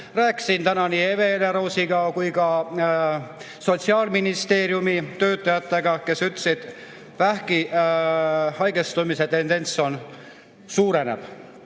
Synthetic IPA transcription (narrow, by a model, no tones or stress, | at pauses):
ræːkːsint̪ænɑniːeve̞leɾosiɡɑkujkɑ | so̞t̪ʲsiɑːlminist̪e̞ːɾjumit̪ø̞ːt̪ˑːɑjɑt̪ːe̞ɡ̥ɑke̞syt̪lesid̪̥ | væhki | hɑjɡ̥est̪umiset̪e̞nd̪e̞nʲt̪so̞n | suːɾe̞nḛv̥